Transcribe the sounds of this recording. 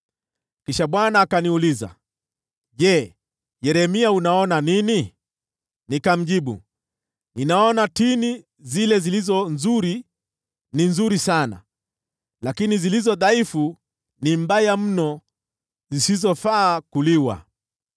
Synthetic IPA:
kiʃaɓwanaːkaniuliza̰ | ʄɛ | jɛɾɛmiaunaɔnanini | nikam̩ʄiɓṵ | ninaɔnatini | zilɛzilizɔnzuɾi | ninzuɾisana̰ | lakinizilizɔðaifu | nimbajam̩nɔ | zisizɔfaːkuliwa̰

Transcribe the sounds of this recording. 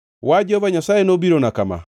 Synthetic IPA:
wad͡ʒɔvaɲasajenobiɾonakama̰

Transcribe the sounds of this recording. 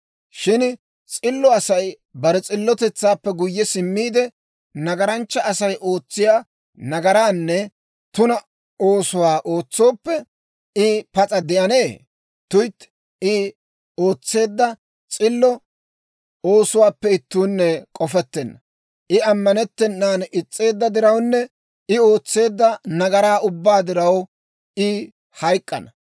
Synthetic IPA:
ʃɪn | t͡sʼɪlːɔɐsɐj | bɐɾɛt͡sʼɪlːɔt̪ɛt͡sːaːpːɛɡʊjːɛsɪmːiːd̪ɛ | nɐɡɐɾɐnt͡ʃːɐɐsɐjʔo̞ːt͡sːɪjaː | nɐɡɐɾaːnːɛ | t̪ʊnɐ | oːsʊwaːʔo̞ːt͡sːo̞ːpːɛ | ɪpɐt͡sʼɐd̪ɛɐneː | t̪ʊjt̪ | ɪ | oːt͡sːe̞ːd̪ːɐ | t͡sʼɪlːɔ | o̞ːsʊwaːpːɛɪt̪ːuːnːɛkʼɔfɛt̪ːɛnːɐ | ʔɪɐmːɐnɛt̪ːɛnːaːnɪt͡sʼːe̞ːd̪ːɐd̪ɪɾɐwnːɛ | ɪo̞ːt͡sːe̞ːd̪ːɐnɐɡɐɾaːʊbːaːd̪ɪɾɐw | ɪ | hɐjkʼːɐ̰nɐ

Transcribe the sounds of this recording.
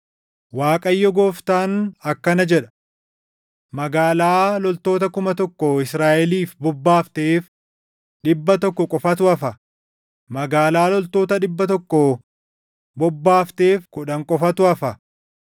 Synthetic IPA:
waːkʼɐjːɔɡoːft̪aːnɐkːɐnɐd͡ʒɛᶑɐ̥ | mɐɡaːlaːlɔlt̪o̞ːt̪ɐkʊmɐt̪ɔkːɔɪsɾaːʔɛliːfbɔbːaːft̪eːf | ɗɪbːɐt̪ɔkːɔkʼɔfɐt̪ʊɐfɐ | mɐɡaːlaːlɔlt̪o̞ːt̪ɐᶑɪbːɐt̪̬ɔkːɔ | bɔbːaːft̪e̞ːfkʊᶑɐŋkʼɔfɐt̪ʊɐfɐ

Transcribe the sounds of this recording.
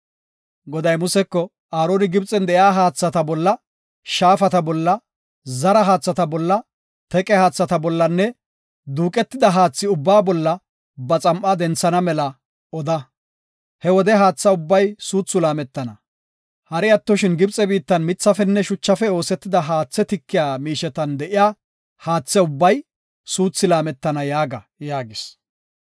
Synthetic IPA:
ɡɔd̪ɐjmʊsɛkːɔ | aːɾoːnɪɡɪbt͡sʼɛnd̪ɛjaːɦaːt͡sːɐt̪ɐbɔlːɐ | ʃaːfɐt̪ɐbɔlːɐ | zɐɾɐɦaːt͡sːɐt̪ɐbɔlːɐ | t̪ɛkʼɛhaːt͡sːɐt̪ɐbɔlːɐnːɛ | d̪uːkʼɛt̪ːɪd̪ɐɦaːt͡sːɪʊbːaːbɔlːɐ | bɐt͡sʼɐmʔʼɐd̪ɛnt͡sːɐnɐmɛlɐ | ɔd̪ɐ | hɛwɔd̪ɛɦaːt͡sːɐʊbːɐjsuːt͡sːʊlaːmɛt̪ːɐnɐ | hɐɾɛjɐt̪ːɔʃɪnɡɪbt͡sʼɛbiːt̪ːɐnmɪt͡sːɐfɛnːɛʃʊt͡ʃːɐfɛo̞ːsɛt̪ːɪd̪ɐɦaːt͡sːɛt̪ɪkːɪjaːmiːʃɛt̪ɐnd̪ɛʔɪjaː | haːt͡sːɛʊbːɐj | suːt͡sːɪlaːmɛt̪ːɐnɐjaːɡɐ | jaːɡɪs

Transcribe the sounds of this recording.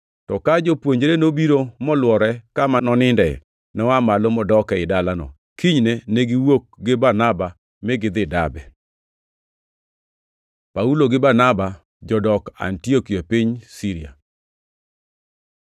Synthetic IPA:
tɔkad͡ʒopwoɲd͡ʒɾenobiɾomɔlwɔɾɛkamanɔnɪndɛ̰ | nɛwamalomɔdɔkɛɪdalanɔ̰ | kiɲneneɡiwok̚ɡɪbarnaba | mɪɡɪd̪ɪdabɛ | pauloɡɪbarnaba | d͡ʒɔdɔka̰ntiokiapiɲsiɾia̰

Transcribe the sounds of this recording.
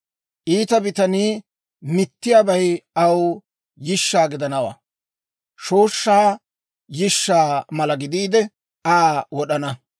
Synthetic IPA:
ʔiːt̪ɐbɪt̪ɐniː | mɪt̪ːɪjaːbɐjɐw | jɪʃːaːɡɪd̪ɐnɐwa̰ː | ʃoːʃːaː | jɪʃːaːmɐlɐɡɪd̪iːd̪ɛ | aːwɔɗɐnɐ

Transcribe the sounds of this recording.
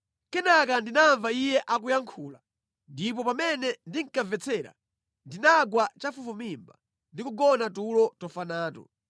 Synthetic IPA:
kɛnakandinaɱvaijɛʔakujaŋkʰuːla | ndip̬ɔpamɛnɛndiŋ̩kavɛt͡sʰɛːɾa̰ | ndinaɡwat͡ʃafufumimba | ndikuɡɔnatulɔtɔfanaːtɔ̰

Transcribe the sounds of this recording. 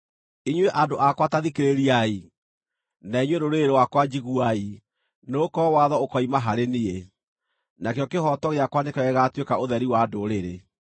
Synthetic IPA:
iɲweʔadoʔakwataðikeɾeɾiai | naiɲweɾoɾeɾewakwad͡ʑiɣuai | noːkɔwaðɔokɔimaɦaɾenie | nakjɔkehɔtɔɣeakwanekɛɣɛɣatwekaoðɛɾiwadoɾeɾe

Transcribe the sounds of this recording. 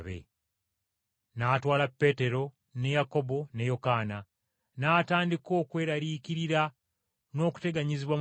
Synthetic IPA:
βḛ | naːtwaːlapːe̞ːte̞ɾo̞ | ne̞jako̞bo̞ne̞jo̞kaːna | naːtaːndiko̞ːkwe̞ːɾaɾikiɾiɾa | no̞ːku̥te̞ɡaɲiziβwa

